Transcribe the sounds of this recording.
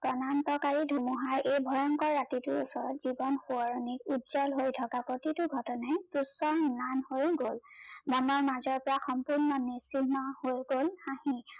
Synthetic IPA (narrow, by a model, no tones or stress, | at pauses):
kɔnantɔkaɹidʱumuɦaɹʔejbʱɔjɔŋkɔɹːatitʊṵsɔɹɔtzibɔnxuɔɹɔnikutzalɦojtʰɔkapotitʊɡʱɔtɔnajtusɔnanhojɡolmanɔɹmazɔɹpɔɹaxɔmpuɹnɔnisimahojɡolhahi